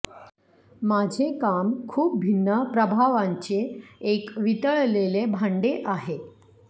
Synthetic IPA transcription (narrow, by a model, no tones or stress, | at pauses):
mad͡ʑʱekamkʰuːp̚bʱinːəpɾəbʱaʋaɲt͡ɕeːkʋit̪əɭlelebʱaɳɖeʔaɦe